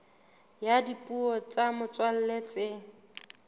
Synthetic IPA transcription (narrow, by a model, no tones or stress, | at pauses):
jadipʼuɔt͡samʊt͡swal̩let͡sɪ